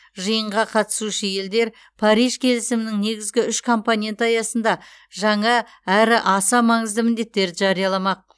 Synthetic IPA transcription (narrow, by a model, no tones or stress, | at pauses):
ʒəjəɴʁɑqʰɑt̪ə̥suʃəje̞ld̪e̞ɾ | pʰɑɾijʒkʲʰe̞lɪsɪmɪnɪŋne̞ɡʲɪzɡʲɪʏʃkʰo̞mponʲe̞nt̪ɑjɑsənd̪ɑ | ʒɑɴɑ | æɾɪʔɑsɑmɑɴəzd̪əmɪnd̪e̞t̪ːe̞ɾd̪ɪʒɑɾijɑlˠɑmɑq̚